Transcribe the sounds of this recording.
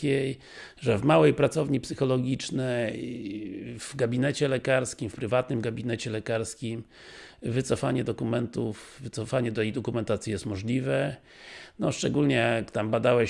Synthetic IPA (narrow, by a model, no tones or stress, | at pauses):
kʲej | ʐɛvmawɛjpɾat̪sɔvɲipsɘxɔlɔɡʲit͡ʂnɛjj | vɡabʲinɛt͡ɕɛlɛkaɾskʲimfpɾɘvat̪̚nɘmɡabʲinɛt͡ɕɛlɛkaɾskʲim | vɘt̪sɔfaɲɛd̪ɔkumɛnt̪ufːɘt̪sɔfaɲɛd̪ɛjd̪ɔkumɛnt̪at̪sʲjijɛst̪mɔʐlʲivɛ | nɔʂt͡ʂɛɡulɲɛjakt̪ambad̪awɛ